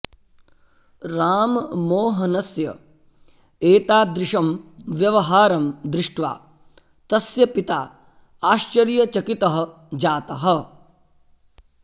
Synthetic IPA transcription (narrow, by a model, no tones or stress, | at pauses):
ɾaːmmoːɦɐnɐsjɐ̰ | eːt̪aːd̪ɾɪʂɐmʋjɐʋɐɦaːɾɐmd̪ɾɪʂʈʋa̰ː | t̪ɐsjɐpit̪aː | aːʃt͡ʃɐɾjɐt͡ʃɐkit̪ɐɦɐ̆ | d͡ʒaːt̪ɐɦɐ̆